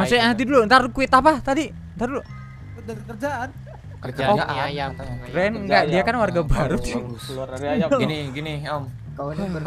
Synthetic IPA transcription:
masʊaat̪idulunt̪aɾukuɪt̪apaht̪adi | nt̪aɾulu | kərd͡ʒaan | kəa | ɾɛnŋɡaʔdiakanwarɡabaɾʊt̪ | anɡini | a

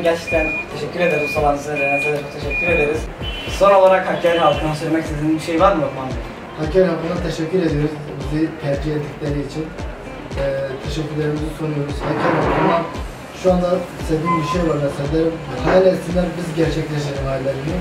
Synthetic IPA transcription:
ɟæɾt͡ʃʰɛ̥c̚t̪ʰænt̪ʰeʃɛcːyɾe̞d̪eɾimsolˠansizelenɛt͡ʃʰalˠat͡ʃʰo̞k̚t̪ʰeʃɛcʲːyɾe̞d̪eɾiz̥so̞no̞lˠaɾakhacʰeɾnalˠkʰɯnaʃeɾʲmɛcsizinibiʃejvaɾmijoɾmand̪i | haceɾafanat̪ʰe̞ʃɛcːyɾe̞d̪ijo̞ɾuzbizit̪ʰɛɾd͡ʒiet̪ʰːicʲlʲe̞ɾiːt͡ʃʰin | ɛːt̪ʰeʃɛcːyɾlʲeɾimizisonujo̞ɾuz̥hacʰaɾafalˠan | ʃuand̪ased̪iːmbiʃejaɾnasevlʲeɾimhaːlʲasind̪ɛnbizɟæɾt͡ʃʰɛclʲeʃ̬t̪eɾimajlʲˠaɾɯmi

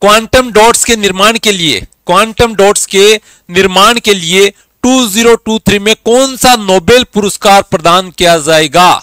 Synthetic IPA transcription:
kʋaːɳʈəmɖɔːʈskenɪɾmaːɽkeliḛkʋaːɳʈəmɖɔːʈske | nɪɾmaːɳ̃kelɪe | ʈuːziːɾoʈuːt̪ʰɾimẽkɔːnsanoːbeːlpʊɾəskaːɾpɾɐd̪aːnkijad͡ʒaːeːɡaː

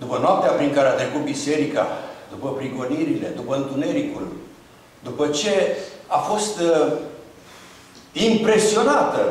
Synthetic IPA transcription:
d̪upənoap̚t̪eapɾiŋkaɾeat̪ɾe̞kut̪̚bise̞ɾika̰d̪upəpɾiɡo̞niɾile̞d̪upəɨnt̪une̞ɾikul | d̪upət͡ʃe̞afo̞st̪ | impɾe̞sio̞nat̪ə

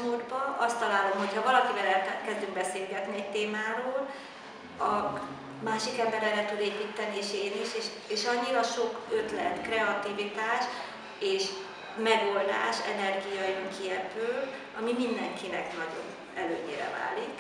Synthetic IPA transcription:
muːd̪bɒʔɒst̪ːɒlaːlo̞mɦo̞chɒvɒlɒkivɛlɛt̪ɛkɛzd̪yŋɡbɛseːlɡɛt̪niɛc̚t̪eːmaːɾoːl | ɒ | maːʃikɛmbɛɾɛɾɛt̪ud̪eːpit̪ːɛnieːʃeːlniʃeʃ | eːʃɒɲːiɾɒʃo̞køt̪lɛ̰nt̪krɛɒt̪ivit̪aːʃ | eːʃ | mɛɡo̞ld̪a̰ːʃɛ̰nɛrɡijɒjøŋkʰiɛpøːl | ɒmimind̪ɛŋkʰinɛknɒɟo̞̰n | ɛlø̰ːɲḛːɾɛ̰va̰ːlik

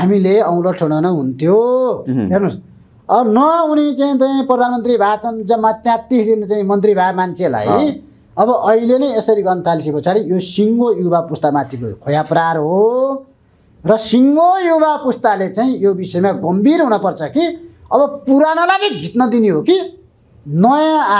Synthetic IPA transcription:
ɦamileʌw̃loʈʰʌɽ̃ʌnʌɦunt̪ʰjoɦernus | ʌbʌnʌunit͡saĩt͡saĩprʌd̪ʱanmʌnt̪ribʱat͡sʌnd͡zʌmat̪jãt̪isd̪inʌt͡saĩmʌnt̪ribʱamant͡sʰela̰jj | ʌbʌʔʌilenʌjesʌɾiɡʌrnʌt̪ʰalisipʌt͡sʰaɾijosiŋɡojubapust̪amat̪ːikokʰojaprarɦo | rʌsiŋɡojubapust̪alet͡saĩjobisʌemaɡʌmbirɦunʌpʌrt͡sʰʌki | ʌbʌpuɾanʌlaɡiɡʱit̪nʌd̪iniɦoki | nʌjã

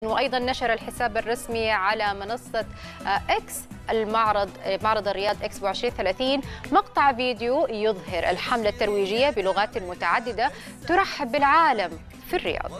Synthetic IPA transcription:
wɪʔɑjd̪ˤɑnːaʃɑɾˤɑlħɪsaːbɑrˤːɑsmiʕalamɪnɑsˤːɑ | ʔaks | ʔalmɑʕɾˤɑd̪ˤmɑʕɾˤɑd̪ˤɑrːɪjɑːd̪ˤʔaksbuʕɪʃɾiːnθalaːθiːnmɑqt̪ˤɑʕviːd̪ɪjujʊðˤhɪɾʔa̰lħamlat̪ːɑɾˤwiːd͡ʒɪjːabɪlʊɣaːt̪lmʊt̪aʕad̪ːɪd̪a | t̪ʊɾˤɑħːɪbɪlʕaːlam | firːɪ̰jɑ̰ːd̪ˤ

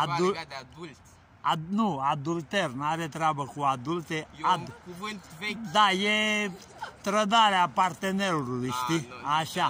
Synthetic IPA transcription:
ad̪ul | anuad̪ult̪eɾnaɾet̪ɾabəkuad̪ult̪ead̪ | d̪aje | t̪ɾəd̪aɾapaɾt̪eneɾuɾuliʃt̪iaʃa

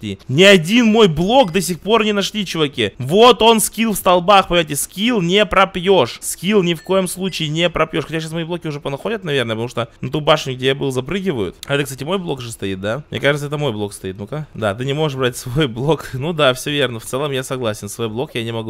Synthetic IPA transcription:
inʲɪɐdʲinmo̞jblˠo̞kd̪ɐs̬ʲɪxpo̞rnʲɪnɐʂlʲit͡ɕʊvɐkʲivo̞t̪o̞nskʲilˠfst̪ɐlˠbaxpəɪmatʲɪskʲilˠnʲɪpɾɐpjo̞ʂskʲilˠnʲɪfko̞jəmslˠut͡ɕɪːnʲepɾɐpjo̞ʂxɐtʲaɕ̬asmɐiblˠokʲɪʊʐɛpənɐxo̞dʲət̪̚nɐvʲe̞rnəpt̪ɐmuʂt̪onɐt̪ubaʂɨnʲʊɡ̚dʲejabɨlˠzɐpɾɨɡʲɪvəjʊ̰t̪ɐɛt̪əksatʲɪmo̞jblˠo̞kʐɨst̪ɐit̪̚d̪amnʲekaʐɨt̪səɛt̪əmo̞jblˠo̞kst̪ɐit̪nukad̪at̪ɨnʲɪmo̞ʐɨʂbɾatʲsvo̞jblˠo̞knud̪afsʲovʲernəft̪sɛlˠəmjasɐɡlˠasʲɪnsvojblˠo̞kjanʲɪmɐɡu

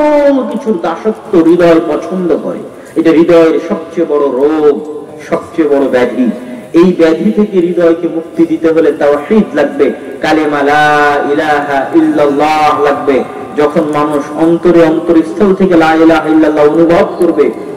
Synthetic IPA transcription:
ookit͡ɕʰuɾd̪aʃokt̪oɾid̪ɔepɔt͡ɕʰond̪okɔ̰ɾḛ | eʈaɾid̪ɔeeɾʃɔb̚t͡ɕebɔɽoɾoɡ | ʃɔb̚t͡ɕebɔɽobɛd̪ʱiejbɛd̪ʱit̪ʰekeɾid̪ɔekemuk̚t̪id̪it̪eɦolet̪awħid̪laɡ̚bekalemalaːilaɦaʔilːalːaɦlaɡ̚be | d͡ʑɔkʰonmanuʃɔnt̪oɾeɔnt̪oɾist̪ʰolt̪ʰekelaːilaɦailːalːaonubʱɔb̪koɾbe

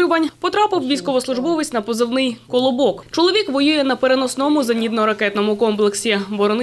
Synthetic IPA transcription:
ʊʋɐnʲpɔt̪ɾɑpɪwʋʲijsʲkɔʋɔslˠʊʐbɔʋɪsʲtʲnɐpɔzɪwnɪjkɔlˠɔbɔkt͡ʃɔlˠɔʋʲikʋɔjujɛnɐpeɾenɔsnɔmʊzɐnʲid̪nɔɾɐkɛt̪nɔmʊkɔmplˠeksʲibɔɾɔn

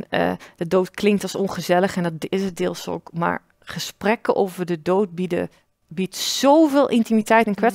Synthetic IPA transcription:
ə̰dədowtklɪŋk̚tɑsɔnχəzɛləχɛndɔtɪsədɪːlˠso̰wkma̰ːɹ | χəsprɛkəʔowvəɹdədowt̚b | bitsowvɪːlˠʔɪntimitɛjtɛnkʋɛ

